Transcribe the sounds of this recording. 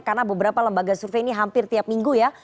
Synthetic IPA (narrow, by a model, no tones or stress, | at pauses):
karnabəbəɾapaləmbaɡasurfeiniɦampɪrt̪iap̚miŋɡuja